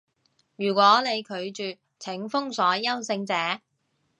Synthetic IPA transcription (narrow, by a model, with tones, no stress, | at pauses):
jyː˨˩kʷɔː˨˥ne˨˧jkʰɵ˨˧ɥt͡ʃyː˨ | t͡sʰɪ˨˥ŋfʊ˥ŋsɔː˨˥jɐ˥wsɪ˧ŋt͡sɛː˨˥